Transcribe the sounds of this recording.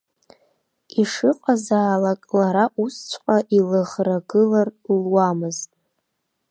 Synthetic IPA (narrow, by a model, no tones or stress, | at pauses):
iʂɨqʷʼazaːlakʼlaɾaʔust͡ʃʷʰqʼaʔilaʁraɡɨlarlwamɨztʼ